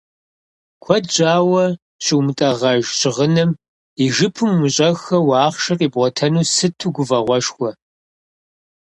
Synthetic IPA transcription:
kʷʰɔd͡ʒʼaːwɐ | ɕʰʼɪwmɨtʼɐʁɐʒt͡ʃʰʼɪʁənɨm | iʒɨpʰɨmwʊɕʼɐxɐwɑːχʃɐrʼiːbʁʷɔtʰɐnuːsɨtʰuːɡʷʊvɐʁʷɔʃxʷɔ

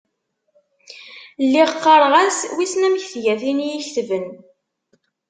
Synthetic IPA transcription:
lːiʁqːɑɾˤʁæswisnæmçθʝæθinjiçθvən

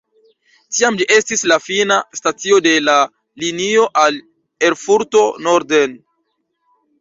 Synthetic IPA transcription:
tiamliʔe̞stislafinastat͡sio̞de̞la | linio̞ʔal | e̞ɾfuɾto̞no̞ɾden

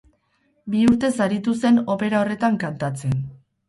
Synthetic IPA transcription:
biuɾt̪e̞saɾit̪use̞no̞pe̞ɾao̞re̞t̪aŋkant̪at͡se̞n

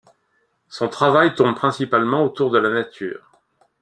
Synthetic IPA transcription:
sɔ̃t̪χavajt̪ɔ̃mpχɛ̃sipalmɑ̃ot̪uʁd̪əlanat̪ʰy̰ːʁ

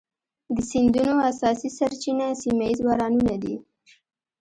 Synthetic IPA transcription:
d̪əsind̪unoasɑsisaɾt͡ʃinasimaizwɑɾɑnunad̪i

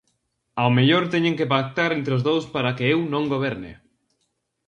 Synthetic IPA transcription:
aomeʎoɾt̪eɲẽŋkepak̚t̪aɾẽnt̪ɾeozðowspaɾakeewnõŋɡoβ̞eɾnḛ

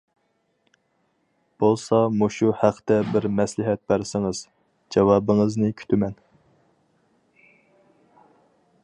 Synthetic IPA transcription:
b̥olˠsɑmuʃuhæqʰt̪ɛbɪɾmɛslɪɦɛt̪̚bæɾsɪŋɨz̥ | d͡ʒɑwɑːbɨŋɨznɨkʲʰy̥t̪ʰymɛn

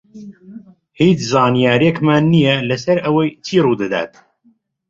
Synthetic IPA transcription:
hiːt͡ʃzɑːnijaːɾiekmaːnːijɛlɐsɐɾɐwɐjt͡ʃʰiːruːd̪ɨd̪a̰ːt̪̚

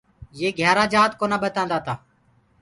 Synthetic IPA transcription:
jeːɡʱjaːɾaːd͡ʒaːt̪koːnaːɓət̪ãːnd̪aːt̪aː

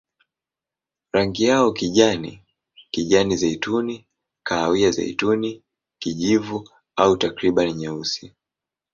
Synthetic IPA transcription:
ɾaŋɡijaɔkiʄanḭ | kiʄanizaituni | kaːwiaza̰ḭtuni | kiʄivu | autakɾiɓaniɲausi

